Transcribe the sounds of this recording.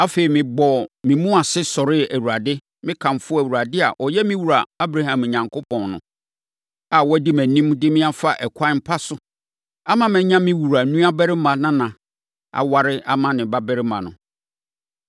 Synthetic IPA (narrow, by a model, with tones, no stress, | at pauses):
a˦fe˨i˨mɪ̃˨bɔ˨mɪ̃˨mũ˦a˨sɪ˦sɔ˨ɾɪ˦æ˨wu˨ɾa˨dɪ˦ | mɪ̃˦kʰã˨mfʊ˦æ˨wu˨ɾa˨dɪ˦a̰˨ʔɔ˨jɛ˦mɪ̃˦wu˨ɾa˨a˦bɾa˦hã˨mɛ˨ɲã˨ŋkʰo˦pʰɔ̃˨nnʊ̰̃˨ | a˨wɔ˦dɪ˦mæ̃˨nĩ˦mdɪ˦mɪ̃˦a˦fa˦ʔɛ˨kʷʰa˦m̩˦pʰa˦sʊ˦ | a˦mã˦˨mɛ̃˨ɲã˦mɪ̃˦wu˨ɾa˨nũ˦a˦bɛ˦ɾɪ˦mã˨nã˦nã˨ | a̰˨wa˨ɾɪ˦a˨mã˨nɪ̃˨ba˦bɛ˦ɾɪ˦mã˨nʊ̰̃˨